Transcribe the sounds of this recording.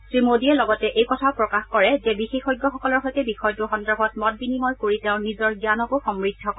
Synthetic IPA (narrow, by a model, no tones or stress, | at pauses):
tɹimodiɛlɔɡɔtɛʔejkɔtʰaʊpɹɔkaxkɔɹɛzɛbixexɔjɡːɔxɔkɔlɔɹxojtɛbixɔjdɹoxɔndɔbʱɔt̚mɔt̚binimɔjkoɹitɛʊ̃nizɔɹɡjanɔkoxɔmɹidʱːɔk